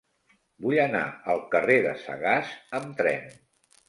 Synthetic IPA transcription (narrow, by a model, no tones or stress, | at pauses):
buʎəna̰əlˠkəreðə̰sə̰ɣazəmt̪ɾɛ̰n